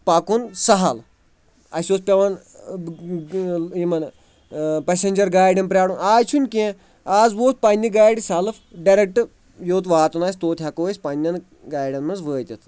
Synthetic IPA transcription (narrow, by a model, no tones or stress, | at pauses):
pɐkunsɐɦɐl | ɐ̰sʲoːspʲɐʋɐn | imɐn | pɐsʲenʲd͡ʒɐɾɡaːjɖɐnpɾʲaːɽunaːt͡ʃʰunʲkʲẽ | aːzʋoːspanʲdiɡaːjɖʲisʲɐlɨfɖɐɾek̚ʈɨ | joːt̪̬ʋaːt̪unaːsʲt̪oːt̪ʰʲɦɐkoːsʲpɐnʲːɐn | ɡaːjɖʲɐnmɐnzʋəːt̪ʲɐt̪ʰ